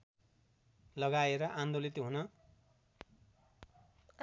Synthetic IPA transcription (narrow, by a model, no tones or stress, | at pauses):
lʌɡaeɾʌʔand̪olit̪ɦunʌ